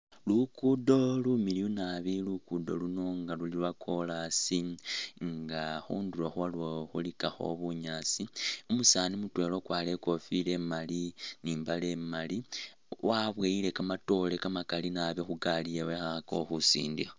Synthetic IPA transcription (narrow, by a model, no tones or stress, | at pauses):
lukudo̞lumiliunaβilukudo̞̰luno̞ŋɡalulilwakʰo̞lasiŋɡaxṵːnduloxuβaloxṵlikaxo̞̰βuɲaːt͡siumusaːnimutwe̞ːlo̞kwaːle̞ko̞file̞maliniːmbale̞mali | wʔaβweile̞kamato̞lekamakalinaβjoxuɡalijewexaako̞̰xusḭːndixa